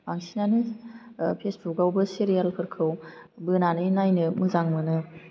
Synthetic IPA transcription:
baŋsinanɯ | pʰesbʰukawbɯsiɾijalkʰɯɾkʰɯwbɯnanɯnajnɯmɯzaŋmɯnɯ

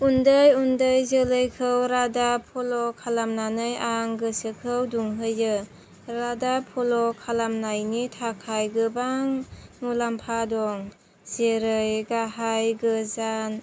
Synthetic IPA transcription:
undɯjundəjzɯlɯjkʰɯwɾadapʰɔlɔkʰalamnanɯjaŋɡɯsɯkʰɯwduŋɦɯjɯ | ɾadapʰɔlɔkʰalamnajnitʰakʰajɡɯbaŋmulampʰadɔŋ | z̥eɾɯjɡaɦajɡɯzan

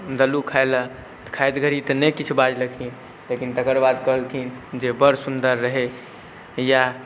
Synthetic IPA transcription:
d̪əlukʰajlə | t̪kʰajt̪ɡʱəɾit̪ənəkit͡ʃʰubad͡ʒləkʰin | lekint̪əkəɾbad̪kəɦəlkʰind͡ʒebəɾsund̪əɾːəɦe | ja

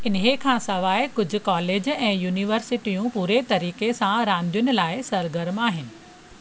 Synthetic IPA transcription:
ɪnɦekʰãːsɐʋaːɪkʊd͡ʑʱʊ̆kaːleːd͡ʑɛ̃ːjuːniʋəɾsɪʈijũpuːɾet̪ɐɾiːkesãɾãːnd̪ʱijʊnɪ̆laːɪsɐɾɡəɾmaːɦɪnɪ̆

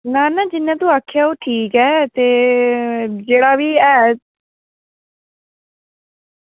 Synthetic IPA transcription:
nãːnãːd͡ʒɪnːɛ̃ːt̪ũːaːkʰjaːoːʈʰiːkɛːt̪eː | d͡ʒeːɽaːʋiːɛː

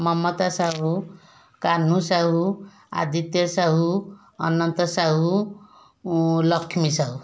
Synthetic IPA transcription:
mʌmːʌt̪asaɦu | kanːũsaɦu | a̰d̪it̪jʌsaɦu | ʌ̰nːʌnt̪ʌsaɦu | lʌkʰːmisaɦu

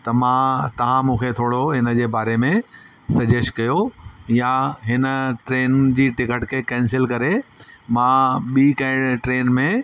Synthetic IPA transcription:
t̪ɐmãt̪ɐʋ̤ãmũːkʰet̪ʰoːɽoɦɪnəd͡ʑeːbaːɾemẽ | sɐd͡ʑeʃkɐjojaɦɪnə̆ʈɾeːnd͡ʑiːʈɪkəʈkʰekɛ̃ːnsɪlkɐɾemãɓiːkɐɪɽʈɾeːnmẽ

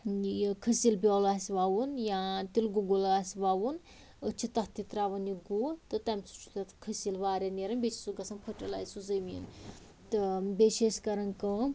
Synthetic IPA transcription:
kʰəsilbʲjɔːlaːsiʋaːwunjat̪ilɡuɡulaːsʋaːwun | ət͡ʃʰit̪ɐt̪it̪ɾaːʋɐnjiɡut̪ɨt̪ɐmʲsu̥t͡ʃʰu̥t̪ɐt̪ʰkʰəsilʋaːɾʲɐneɾɐnbʲet͡ʃʰi̥suɡɐsʰɐnpʰɐʈɐla̰ːjsuzɐmin | t̪ɨbʲeʃeʃkɐɾɐnkɨ

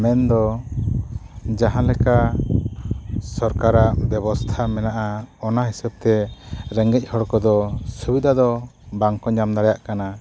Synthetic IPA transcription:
mɛnd̪ɔ | d͡ʒaɦãlɛka | sɔɾkaɾaʔbɛβɔst̪ʰamɛnaʔaɔnaɦisɛb̚t̪ɛɾɛŋɡɛc̚ˀhɔɽkɔd̪ɔsubid̪ʱad̪ɔbaŋkɔɲamd̪aɽajaʔkana

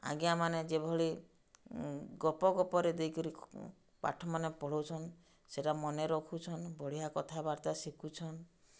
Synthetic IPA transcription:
a̰ɡjamaned͡ʒebʱɔɭi | ɡɔpɔɡɔpɔɾed̪ejkɔɾi | pa̰ʈʰɔmanepɔɽɔwt͡ʃʰɔn | seʈamɔneɾɔkʰut͡ʃʰɔnbɔɽ̤iɦakɔt̪ʰabaɾt̪asikʰut͡ʃʰɔn

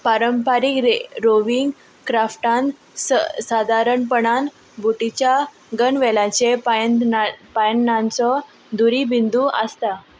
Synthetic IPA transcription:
paɾəmpaɾikɾeɾoʋiŋɡ | kɾafʈãn | səsad̪ʱaɾəɳpəɳan | buʈit͡ɕja | ɡəɳʋɛlat͡sep | pajnːãnt͡sɔ | d̪uɾibind̪uʔəst̪a

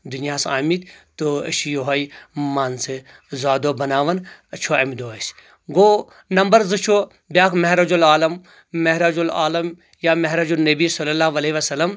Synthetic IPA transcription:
d̪unijaːsaːmit̪ʲt̪oɐ̰ʃijoɦɐjmaːnse | zaːd̪oːbɐnaːʋɐnɐt͡ʃʰoɐmid̪oːɐs | ɡoː | nɐmbɐɾzɨt͡ʃʰo | bʲjaːkʰmɐɦɾɐd͡ʒulaːlɐm | mɐɦɾɐd͡ʒula̰ːlɐm | jaːmɐɦɾɐd͡ʒunɐbisɐlːɐlaːɦʋɐleiʋɐsɐlːɐm

